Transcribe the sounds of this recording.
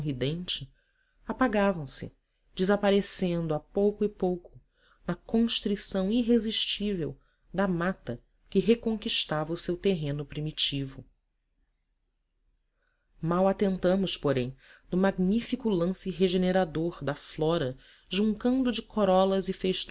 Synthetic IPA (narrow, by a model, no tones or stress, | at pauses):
ɦid̪ẽnt͡ʃɪ | apaɡavɐ̃w̃sɪ̰ | d͡ʒɪzapaɾesẽnd̪ʊapowkʊipowkʊ̥ | nɐkõʃt̪ɾisɐ̃w̃iɦeziʃt͡ʃivew | d̪ɐmat̪ɐ | kɪɦekõŋkiʃt̪avɐusewt̪eɦẽnʊpɾimit͡ʃivʊ | mawat̪ẽnt̪ɐ̃mʊspoɾẽj̃d̪ʊmaɡnifikʊlɐ̃sɪɦeʒeneɾad̪oɾd̪ɐflɔɾɐ | ʒũŋkɐ̃nd̪ʊd͡ʒɪkʰoɾɔlɐzɪfejʃt̪